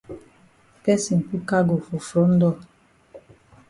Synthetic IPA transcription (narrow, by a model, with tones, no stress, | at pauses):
pɛ˦si˨n̩˨pu˦ka˦ɡo˨fu˨fɾɔ˨˦n̩˦dɔ˦˨